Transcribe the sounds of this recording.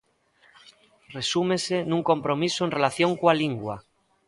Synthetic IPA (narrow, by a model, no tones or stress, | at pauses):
re̞sumese̞nũŋkõ̞mpɾo̞misoe̞nre̞laθjo̞ŋkwaliŋɡwa̰